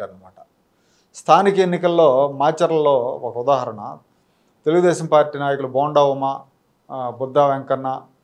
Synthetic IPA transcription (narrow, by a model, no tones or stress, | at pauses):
aːɾɐnːɐmaːʈɐ | st̪ʰaːnikɐenːikɐlːo̞ːmaːt͡ʃɐɾɐllo̞ːɔkɐud̪aːɦɐɾɐɳɐ̰ | t̪eluɡud̪ɛːʃɐmpaːɾʈːiːnaːjɐkuluboːɳɖaːʋumɐ | bud̪ːaːʋeŋkɐnːɐ